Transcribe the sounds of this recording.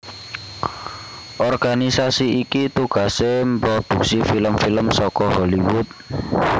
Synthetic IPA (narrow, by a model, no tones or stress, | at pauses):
ʔɔrɡ̥anisasiikit̪uɡ̥a̤sempɾɔd̪̥ṳksifiləmfiləmsɔkɔɦɔliwʊt̪̚